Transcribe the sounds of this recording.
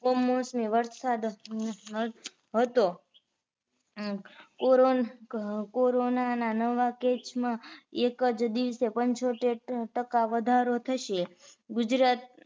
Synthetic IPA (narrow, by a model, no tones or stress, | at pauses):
omosmiʋəɾsad̪ | ɦət̪o | koɾo | koɾonananəʋaket͡ʃmãekəd͡ʒd̪iʋsepəɲt͡ʃoʈeʈəkaʋəd̪ʱaɾot̪ʰəʃeɡʊd͡ʒɾat̪̚